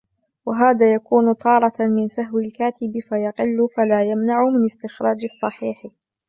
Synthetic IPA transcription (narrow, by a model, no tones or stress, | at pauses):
waɦaːðaːjakuːnʊt̪ˤɑːɾˤɑmɪnsaɦwalkaːt̪ɪbfajɑqɪlːʊfalaːjamnaʕʊmɪnɪst̪ɪxɾˤɑːd͡ʒɑsˤːɑħiːħ